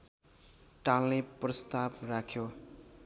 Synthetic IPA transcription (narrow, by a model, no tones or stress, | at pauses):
ʈalːeprʌst̪abrakʰjo